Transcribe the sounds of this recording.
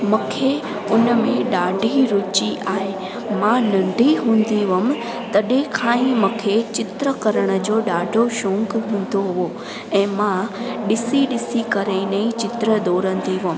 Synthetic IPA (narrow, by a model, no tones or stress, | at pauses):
mʊ̃kʰe | ʊnəmẽɗaːɖʱiɾʊːt͡ɕiʔaːɦe | mãnɐ̃ɳɖʱiɦũːn̆d̪iʋəm̆ | t̪ɐɗẽkʰaːĩmʊ̃kʰet͡ɕɪt̪ɾəkɐɾəɽ̃ə̆d͡ʑoːɗaːɖʱoʃõːŋkɦũːn̆d̪oɦʊʋo | ɛ̃ːmãɗɪsiɗɪsikɐɾẽinɐĩt͡ɕɪt̪ɾəd̪ɔːɾə̃nd̪iʋɪm̆